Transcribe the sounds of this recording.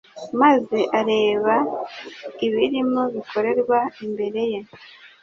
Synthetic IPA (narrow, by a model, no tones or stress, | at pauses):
maze̞ʔaɾe̞ːβa | iβiɾimoβikʰo̞ɾe̞ɾɡwaimbe̞ɾe̞je